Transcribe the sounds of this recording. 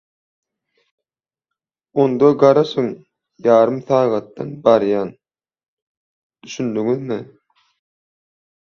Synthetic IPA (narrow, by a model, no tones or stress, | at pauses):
ond̪ɑɡɑɾɑʃɯŋ | jɑːɾɯmθɑːɣɑt̪ːɑ̰nbɑɾjɑːn | d̪̥yʃynd̪yŋyðmi